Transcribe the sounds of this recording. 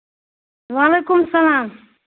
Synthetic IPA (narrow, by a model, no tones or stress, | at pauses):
ʋaːleːkʊmsɐlaːm